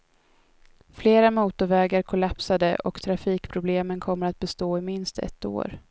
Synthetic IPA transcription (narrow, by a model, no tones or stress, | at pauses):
fleːɾamuːt̪ʊɾvɛːɡaɾkʰʊlapsad̪ə̰ʔɔ̰kt̪ʰɾafiːkpʰɾʊbleːmənkʰɔmːəɾat̪̚bɛst̪oːɪmɪnst̪ɛ̰t̪ːo̰ːɾ